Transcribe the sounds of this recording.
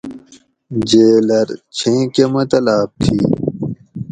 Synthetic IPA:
d͡ʑeːlɐɾt͡ɕʰẽːkemɐt̪ɐlaːp̚t̪ʰi

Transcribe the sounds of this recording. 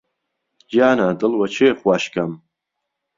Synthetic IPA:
d͡ʒaːnaːdɨlwat͡ʃʰeːχwaʃkʰʼam

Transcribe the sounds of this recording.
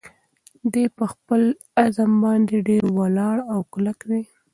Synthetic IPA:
d̪epəxpəl | azambɑnd̪eɖeɾwalɑɽawkʊlakwe

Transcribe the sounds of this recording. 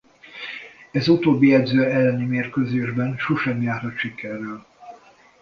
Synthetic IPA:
ɛzut̪oːbːiɛd̪zøːɛlːɛnimeːrkøːzeːʒbɛnʃoʃɛmjaːrhɒt̪ʃikɛrːɛl

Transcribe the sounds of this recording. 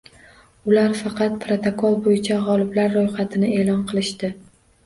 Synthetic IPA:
ʊlaɾfɑqɑt̪̚pʰɾot̪ʰokʰolˠbojɪt͡ʃʰaʁɒlˠɪblaɾːojχɑt̪ʰɪnɪe̞ːlɒnqʰɨlˠɪʃt̪ɪ

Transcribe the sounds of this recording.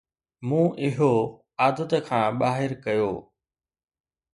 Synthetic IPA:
mũːʔɪɦo | aːd̪ət̪ə̆kʰãːɓaːɦɪɾkɐjoː

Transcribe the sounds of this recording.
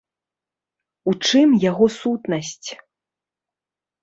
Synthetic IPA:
ut͡ʂɨmjaɣɔsut̪nɐsʲt͡sʲ

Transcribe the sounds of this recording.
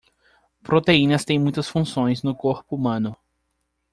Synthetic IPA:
pɾot̪eĩnɐst̪ẽj̃mũj̃t̪ɐsfũsõj̃znʊkoɾpʊumɐ̃nʊ

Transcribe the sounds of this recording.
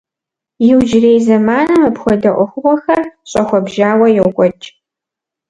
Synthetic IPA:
jɪwd͡ʒɪreːjzɐmaːnɐmɐpxʷɔdɐʔʷʊxʷʊʁʷɔxɐrɕʼɐxʷɔbʒaːwɐjɛwɡʷʼɔt͡ʃʼ

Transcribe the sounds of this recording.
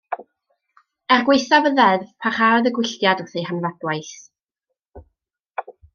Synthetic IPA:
ɛrɡwejθavəðɛðvpʰar̥aɔðəɡwɪɬtjadɔθejhanvadwajɬ

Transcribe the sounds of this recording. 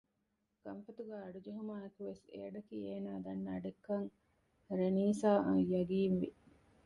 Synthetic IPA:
ɡ̥ɐmfɐt̪uɡæːɐɖud͡ʒeɦumaːɐkuʋesḛːɐɖɐkiːeːnaːd̪ɐnːaɖekːɐŋ | ɾeniːsaːjɐɡiːnʋḭ

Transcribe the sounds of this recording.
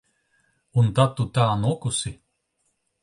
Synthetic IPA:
unt̪at̪ːut̪aːnukusi

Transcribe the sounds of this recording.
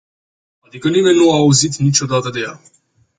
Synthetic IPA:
ad̪ikənimenːuaːuzit̪nit͡ʃod̪at̪əd̪eja

